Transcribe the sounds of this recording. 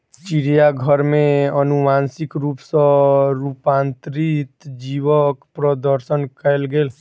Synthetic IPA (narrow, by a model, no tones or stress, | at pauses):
t͡ʃiɾijaɡʱəɾmẽənumaːnsɪkɾuːpsə̃ɾuːpãːnt̪ɾit̪d͡ʒiʋəkpɾəd̪əɾsənkəlɡeːl